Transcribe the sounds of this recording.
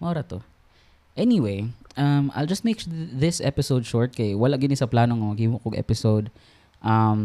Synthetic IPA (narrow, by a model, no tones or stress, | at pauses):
mɐʔoɾɐt̪o | ʔɛniwejʔɐma̰ɪjld͡ʒɐst̪̚mejkðɪsʔɛpɪsowd̪̚ʃɔɹt̪̚kɐjwɐlaʔɡɪnɪsɐplaːnoŋomɐɡhiːmʊʔkoɡʔɛ̰pɪsowd̪̚ | ʔɐm